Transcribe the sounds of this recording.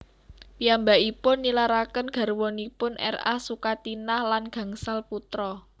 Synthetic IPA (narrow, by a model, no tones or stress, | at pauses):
piambaʔipʊnːilaɾakənɡ̥a̤rwɔnipʊnʔɛ̰ra̰hsukat̪inahlanɡ̥a̤ŋsalput̪ɾɔ